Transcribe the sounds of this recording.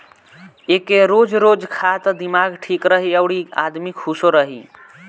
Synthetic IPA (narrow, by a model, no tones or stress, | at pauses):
ekeɾod͡ʒɾod͡ʒkʰat̪əd̪imaɡʈʰikɾəɦiəwɽia̰d̪mikʰusoɾəɦḭ